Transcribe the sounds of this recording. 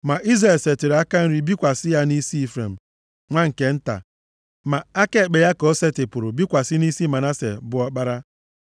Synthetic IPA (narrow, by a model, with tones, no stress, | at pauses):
ma˨ʔi˦zɾe˨lse˨ti˨ɾa˦ka˦n̩˦ɾi˦bi˦kʷa˨sɪ˦ja˦ni˦si˦i˦˨fɾḛ˨m̩˨ | ŋʷa˦ŋ̩˨ke˨n̩˦ta̰˨ | ma˨a˦ke˦˨k͡pe˨ja˦ko˨˦se˦tɪ˨pʊ˨ɾʊ˨bi˦kʷa˨sɪ˦ni˦si˦ma˨na˦sḛ˨bʊ˨ɔ˦k͡pa˦ɾa˦